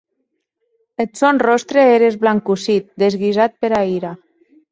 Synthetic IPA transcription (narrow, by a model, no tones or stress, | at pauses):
esonrost̪ɾeeɾezβlaŋkusit̪̚d̪ezɣizat̪̚peɾaiɾa